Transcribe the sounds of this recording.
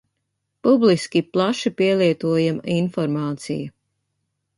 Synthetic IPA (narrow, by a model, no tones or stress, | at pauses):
publiskʲiplˠaʃipiɛlˠiɛt̪uɔjaminfɔɾmaːt̪sḭju